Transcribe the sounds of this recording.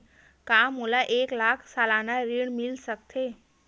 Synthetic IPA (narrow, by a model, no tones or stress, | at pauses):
kamulaʔeklakʰsalanaɾiɳmilsəkt̪ʰe